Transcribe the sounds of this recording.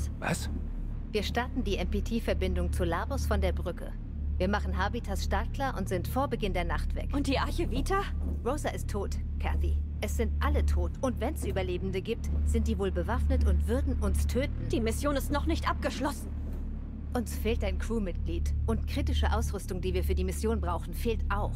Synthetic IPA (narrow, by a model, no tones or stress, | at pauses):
va̰s | viːɐʃtaɐtn̩diːʔɛmpetʰiːfɛɐbɪndʊŋt͡sulaːbʊsfɔndeːɐbʁʏkə̰ | viːɐmaχn̩ɦabitʰasʃtaːkʰlaʔʊntz̥ɪntfoːɐbəɡɪndeːɐnaχtv̥ɛ̰kʊnt̚d̥iːaɐçəviːtʰaʁoʊzɐʔɪstʰːoːt | kʰaθḭ | ʔɛsz̥ɪntʔalətʰoːtʔʊntv̥ɛnɛsʔyːbɐleːbm̩dəɡiːp̚tz̥ɪntd̥iːvoːlbəvafnətʊntv̥ʏɐdn̩ʔʊnstʰøːtn̩d̥iːmɪsjoːnɪstnɔχnɪçtʔap̚ɡ̥əʃlɔsn̩ | ʔʊnsfeːltʔaɪnkʰʁ̥uːmɪt̚ɡ̥liːtʔʊntkʁ̥iːtɪʃəʔaʊsʁʏstʊŋdiːviːɐfyːɐdiːmɪsjoːnbʁaʊxn̩feːltʔaʊx